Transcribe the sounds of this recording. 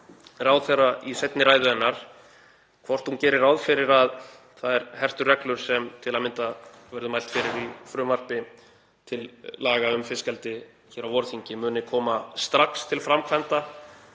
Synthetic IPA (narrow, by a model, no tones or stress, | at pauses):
rawðθɛrːaisɛjt̪nɪɾaːjðʏɛnːaɾ̥ | kʰvɔr̥t̪huncɛːɾɪrawðfɪɾɪɾað | θaðɛɾ̥hɛr̥t̪ʏrɛklʏɾ̥sɛmt̪ʰɪlaðmɪnt̪avœɾðʏmajlt̪fɪɾɪɾifɾʏːmar̥pɪ | t̪ʰɪlːaːɣaʏmfɪskɛlt̪ɪ | çɛːɾawvɔɾθiɲcɪmʏːnɪkʰɔːmast̪ɾakst̪ʰɪlfɾamkʰvɛnt̪a